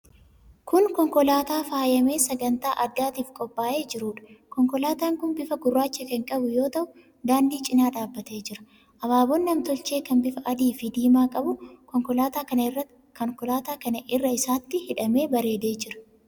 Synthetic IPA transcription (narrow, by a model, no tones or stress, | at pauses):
kʊnkɔŋkɔlaːt̪aːfaːjɐme̞ːsɐɡɐnt̪aːʔɐɡaːt̪iːfkʼɔpʼːaːʔe̞ːd͡ʒɪɾuːᶑɐ̥kɔŋkɔlaːt̪aːŋkʊnbɪfɐɡʊrːaːt͡ʃːɛkɛŋkʼɐbʊjo̞ːt̪ɐʔʊ | d̪aːnd̪iːt͡ʃʼɪnaːd̪aːbːɐt̪e̞ːd͡ʒɪɾɐ̥ | ʔɐβaːbɔnːɐmt̪ɔlt͡ʃe̞ːkɐnbɪfɐʔɐd̪iːfɪd̪iːmaːkʼɐbʊkɔŋkɔlaːt̪aːkɐ | kɔŋkɔlaːt̪aːkɐnɐʔɪrːɐɪsaːt̪ːɪhɪᶑɐme̞ːbɐɾe̞ːd̪e̞ːd͡ʒɪɾɐ̥